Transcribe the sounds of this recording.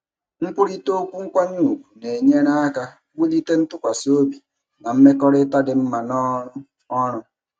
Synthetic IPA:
ŋ͡m̩˦k͡pʊ˦ɾi˦to˦kʷu˦ŋ̩˦kʷa˦ɲ̩˦u˦˨kʷu̥˨ne˨ɲe˦ɾa˦a˦ka˦ | wu˦li˦te˦n̩˦tʊ˦kʷa˨si˦o˦bi˨ | na˨m̩˦me˦kɔ˦ɾɪ˦ta˦dɪ˨m̩˦ma˨nɔ˦ɾʊ˦ | ɔ˦ɾʊ˦

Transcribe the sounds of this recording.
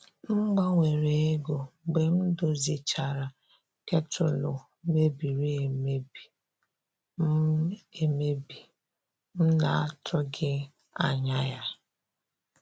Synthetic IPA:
m̩˦ɡ͡ba˦ŋʷe˨ɾe˨e˦ɡo˨ɡ͡be˨m̩˦do˨zi˨t͡ʃa˨ɾa˨ | ke˦tʊ˨lʊ˨ | me˦bi˨ɾe˦e˨me˦bi˨ | m̩˦e˨me˦bi˨ | m̩˦na˨a˦tʰʊ˦ɡɪ˦ | a˨ɲa˦ja˦

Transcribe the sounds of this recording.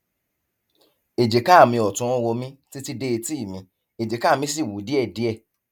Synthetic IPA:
e˨d͡ʒe˨ka˦˨mĩ˧ɔ˨tũ˨˦˧wo˧mĩ˧ti˦ti˧de˧e˧ti˦˨mĩ˧ | e˨d͡ʒe˨ka˦˨mĩ˧s̬i˦˨wu˨˦di˦ɛ˦˨di˨˦ɛ˦˨

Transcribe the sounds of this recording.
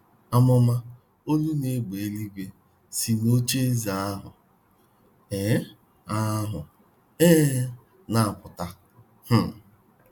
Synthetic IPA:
a˦mʊ˦ma˦ | o˦lu˦ne˦ɡ͡be˨e˦li˦ɡʷe˦ | si˨no˦t͡ʃe˦zi˨a˦ɦʊ̰˨ | e˨˦ | a˦ɦʊ˨ | eː˦ | na˦˨a˨pʊ˨ta˦ | h̩˦

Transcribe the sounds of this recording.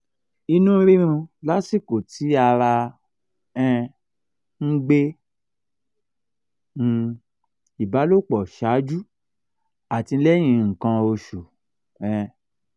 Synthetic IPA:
i˧nũ˦ɾi˦ɾ̃ũ˧la˦si˦˨ko˨tʰi˨˦a˧ɾa˧ | ɛ̃˧ | ŋ̩˦ɡ͡be˦˧ | i˨ba˨˦lo˦˨k͡pɔ˨ʃa˨˦d͡ʒu˦ | a˨ti˧˦lɛ˦j̃ĩ˧ŋ̩˨kã˧o˧ʃu˨ | ɛ̃˧

